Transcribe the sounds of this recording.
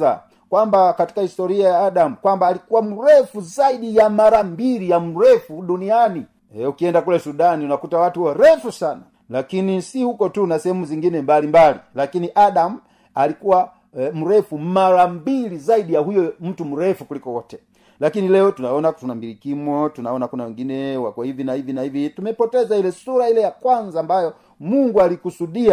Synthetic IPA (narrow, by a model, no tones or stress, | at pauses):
a | kwambakati̥kahistɔɾiajaːɗamukwambaːlikuwam̩ɾɛfuzaiɗijamaɾambilijam̩ɾɛfuɗuniani | ɛukiɛndakulɛsuɗaniunakutawatuwɔɾɛfusana | lakinisihukɔtunasɛhɛmuziŋɡinɛmbalimbalḭlakiniʔaɗam̩ | alikuwa | m̩ɾɛfumaɾambilizaiɗijahujɔm̩tum̩ɾɛfukulikɔwɔtɛ | lakinilɛɔtunaɔnatunambilikimwɔtunaɔnakunawɛŋɡinɛwakuahivinahivinahivitumɛpɔtɛzailɛsuɾailɛjakwanzaːmbajɔ | muŋɡualikusuɗia